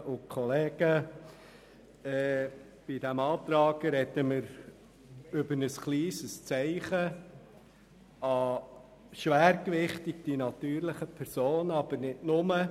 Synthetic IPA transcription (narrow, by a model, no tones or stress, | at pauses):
ʔʊkʰɔleːɡ̥ə | ɛ | b̥id̥ɛmɑːt̪ɾɑːɡ̥əɾɛdəmɪɾ | ʏbənəsχliːsəst͡sæɪχə | ɑ | ʃʋæːɾkʋɪχtɪɡd̥inɑt̪yːɾlɪχəpʰɛɾsoːnɑb̥əɾnɪtnʊmə